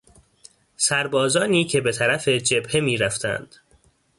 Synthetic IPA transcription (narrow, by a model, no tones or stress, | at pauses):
sæɾbɒːzɒːniːcʰe̞be̞t̪ʰæɾæfe̞d͡ʒe̞bhe̞miːɾæft̪ʰæ̰nd̪̥